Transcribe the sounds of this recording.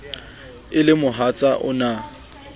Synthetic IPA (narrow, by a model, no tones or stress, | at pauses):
ɪlɪmʊɦat͡sʼaʔʊ̰na